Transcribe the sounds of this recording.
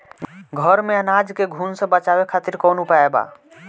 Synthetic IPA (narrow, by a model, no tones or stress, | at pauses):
ɡʱəɾmeənad͡ʒkeɡʱuːnsə̃bət͡ʃabekʰat̪iɾkonupaeba̰